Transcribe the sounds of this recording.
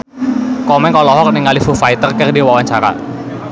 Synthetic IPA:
kɔmɛnkɔlɔɦɔk̚nɪŋalifufajt̪ərkɛrdiwawant͡ʃaɾa̰

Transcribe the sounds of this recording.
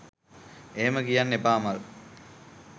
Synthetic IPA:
eːməkijanːepaːmal

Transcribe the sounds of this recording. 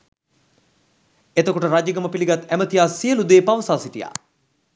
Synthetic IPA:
et̪əkoʈəɾad͡ʒəɡəməpiliɡat̪æmət̪ijaːsiəlud̪eːpaʋəsaːsiʈija̰ː

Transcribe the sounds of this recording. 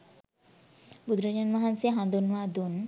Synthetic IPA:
bud̪ɾəɲanmaɦansiaɦand̪unwad̪un

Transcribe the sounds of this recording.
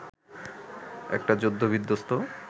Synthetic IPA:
ɛ̰k̚ʈad͡ʑod̪ʱːobʱid̪ʱːost̪o

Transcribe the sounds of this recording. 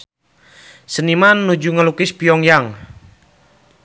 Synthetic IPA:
sənimanːud͡ʒuŋəlukɪspiɔŋjaŋ

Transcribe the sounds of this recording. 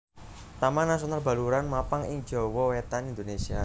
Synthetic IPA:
t̪amanas̬onalba̤luɾanmapaŋɪŋ̥d͡ʒɔwɔwet̪anind̪onesia

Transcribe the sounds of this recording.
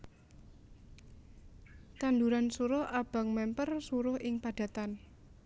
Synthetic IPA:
t̪and̪uɾansuɾʊhʔab̥ä̤ŋmɛmpərsuɾʊhʔɪŋpad̥ä̤t̪an

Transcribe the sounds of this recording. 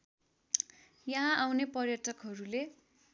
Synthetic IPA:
jʌɦãawnepʌrjʌʈʰʌkɦʌɾule

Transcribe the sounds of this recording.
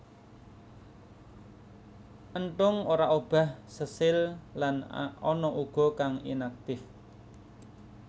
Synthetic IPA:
ʔənʈʊŋoɾaʔob̥a̤hsəsɪllanɔnɔʔuɡ̥ɔ̤kaŋḭnak̚t̪ɪh

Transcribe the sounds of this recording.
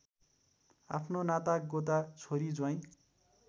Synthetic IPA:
a̰pʰnonat̪aɡot̪̬at͡sʰoɾid͡zwaj̃

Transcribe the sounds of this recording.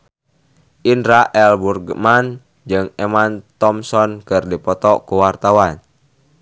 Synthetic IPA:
ʔindɾaʔɛlburɡəman | d͡ʒɨŋemant̪ɔmsɔnkɨrdipɔt̪ɔkuwart̪awan

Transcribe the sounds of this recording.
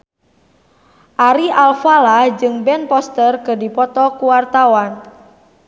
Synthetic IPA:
ʔaɾiʔalfalad͡ʒɨŋbɛnpɔst̪ərkɨdipɔt̪ɔkuwart̪awan

